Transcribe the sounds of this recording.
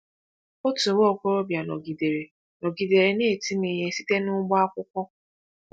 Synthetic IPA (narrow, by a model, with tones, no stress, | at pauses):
o˦tu˨wo˦o˨ko˦ɾo˦bja˨nɔ̰˨ɡi˨de˨ɾe˨ | nɔ˨ɡi˨de˨ɾe˨ne˦˨ti˦me˨ɲe˨si˦te˦nʊ˦ɡ͡bɔ˦a˦kʷʊ˦kʷɔ˦